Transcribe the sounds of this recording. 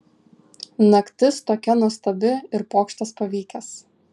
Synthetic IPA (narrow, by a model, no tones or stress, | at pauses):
nɐkt̪ʲɪst̪oːkʲɛnuɔst̪ɐbʲɪɪɾpoːkʃt̪ɐspɐʋʲiːkʲɛs